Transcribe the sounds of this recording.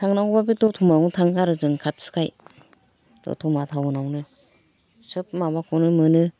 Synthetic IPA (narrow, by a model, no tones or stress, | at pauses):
tʰaŋnawbabidɔtʰumanɯtʰaŋkaɾɯzɯŋkʰat̚sɯ̥kʰaj | d̥ɔ̰tʰumatʰawnawnɯ | sɯp̚maβakʰɔwnɯmɯnɯ